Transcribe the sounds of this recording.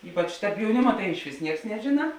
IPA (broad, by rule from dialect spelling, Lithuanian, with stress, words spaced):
ˈiːpɐt͡ʃ jɛʊˈnʲɪmɐ tɐɪ ɪʃʲˈʋʲɪs ˈnʲiɛks nʲɛˈʒʲɪnɐ